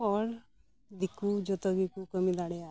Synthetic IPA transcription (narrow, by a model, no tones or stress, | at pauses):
ɔɾ | d̪ikud͡ʒɔt̪ɔɡikukɔmid̪aɽɛa